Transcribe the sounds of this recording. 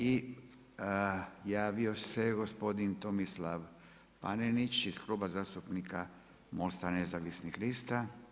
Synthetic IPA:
i | jaːʋio̞seɡospo̞d̪int̪omislaʋ | pa̰nenit͡ʃizkluːbazaːst̪upnika | most̪anezaʋisnixlist̪a

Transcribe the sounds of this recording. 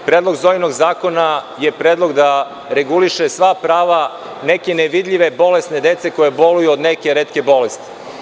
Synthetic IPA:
pɾeːd̪lˠo̞ɡzojnoɡzaːko̞najepɾeːd̪lˠo̞ɡd̪a | ɾeɡuliʃesʋapɾaːʋa | neke̞neʋid̪ʎʲiʋe̞bo̞lest̪ne̞d̪et̪se̞ko̞jebo̞lujuod̪neke̞ɾeːt̪ke̞bo̞lest̪i̥

